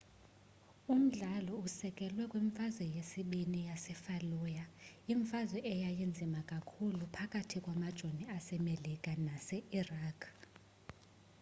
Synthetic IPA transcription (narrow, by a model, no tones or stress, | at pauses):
um̩ɮalɔusɛkʼɛlwɛkʼwiɱfazwɛjesiɓinijasɛfalujaiɱfazwɛʔɛjajind͡zʱimakʼakʰulupʰakʼatʰikʼwamad̥ʒ̥ʱoniasɛmelikʼanasɛiraːkʰ